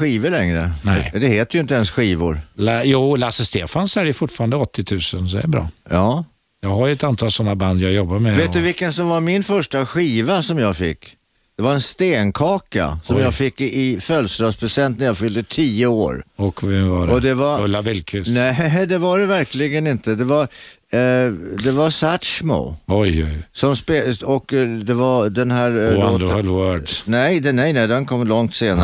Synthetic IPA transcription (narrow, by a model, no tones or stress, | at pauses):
ɧiːvəlɛŋɾə̰nɛɪd̪ɛheːt̪əjʏɪnt̪əɛnsɧiːvʊ̰ɾljuːlasəst̪eːfanshæːɾɛfʊʈfɑːɾand̪əɔt̪ʰːɪt̪ʰʉ̟ːsənsɔɛ̰ɾbɾɑ̰ːjɑː | jɑːɡɦaɾjɵɛt̪ant̪ʰɑːlsɔnːaband̪jɑːɡjɔbːaɾmɛveːt̪̚d̪ɵvɪkːənsɔmvaɾmɪnfœʂʈaɧiːvasɔmjɑːɡfɪkː | d̪̥ɛvaɾɛnst̪eːnkʰɑːka̰sɔmjɑːɡfɪkːɪfœlsɾɑːspʰɾɛsɛnt̪nɾjɑːɡfʏld̪ət̪ʰiːəoːɾɔkɛvɑɔd̪ɛvaɾlːabɪlkʰʉnɛd̪ɛvaɖɛvæɾklɪɡənɪnt̪əd̪ɛvaɾ | d̪ɛvaɾsæt̪ʂmo̰ɔjɔ̰jsɔmspeɔkd̪ɛvaɾd̪ɛnɦæːɾoːlwœɖnɛj̪ɛnɛjnɛɪd̪ɛnkʰɔmːlɔŋt̪seːna